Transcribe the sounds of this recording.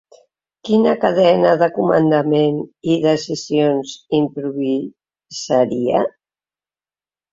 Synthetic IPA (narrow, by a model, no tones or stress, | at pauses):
kinəkaðɛnaðəkumə̰nd̪ameniðəsizionzimpɾuβi | z̥aɾia